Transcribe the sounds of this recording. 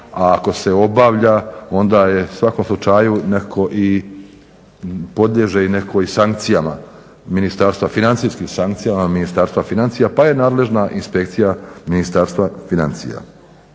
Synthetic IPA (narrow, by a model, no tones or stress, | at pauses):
aːko̞se̞o̞baːʋʎao̞nd̪aje̞sʋako̞mslˠut͡ʃajunekʰo̞ʔi | po̞d̪ʎʲe̞ʒeinekʰo̞isaŋk̚t̪sijama | minist̪aːɾst̪ʋafinansiskimsaŋkt̪sijamaminist̪aːɾst̪ʋafinant̪sijapaje̞naːd̪le̞ʒnaʔinspekt̪sijaminist̪aːɾst̪ʋafinant̪sḭja̰